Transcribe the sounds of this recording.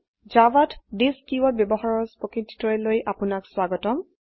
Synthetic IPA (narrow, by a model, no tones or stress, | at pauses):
zawatdiskiwɔt̚bjɔbɔxaɹɔɹspɔkɹiti̥tɔjlojʔapʊnakswaɡɔtɔm